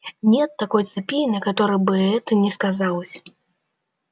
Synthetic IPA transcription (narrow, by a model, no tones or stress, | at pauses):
nʲɛt̪ːakɔjt̪sɨpʲijnɐkat̪ɔɾɨbɨɛt̪ɨnʲɛskazawsʲ